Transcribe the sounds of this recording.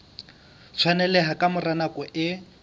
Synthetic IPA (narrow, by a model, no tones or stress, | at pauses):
t͡sʰwanɛlɛɦakʼamʊranakʼɔʔɪ